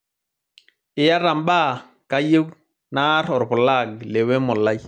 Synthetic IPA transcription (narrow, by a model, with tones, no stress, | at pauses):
ɪ˨ja˦ɾa˨mba˦˨ | ka˦je˦w | na˦ɾɔ˨ɾpɔ˨la˦˨ɡle˨we˦mɔ˨la˦j